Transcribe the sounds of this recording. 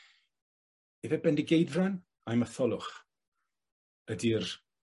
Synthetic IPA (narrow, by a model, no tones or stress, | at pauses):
ɛvɛbɛndiɡejðran | ajməθɔlˠʊχ | ədir